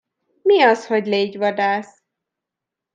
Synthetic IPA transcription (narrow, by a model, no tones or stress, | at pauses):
miɒsho̞ɟleːɟʋɒd̪aːs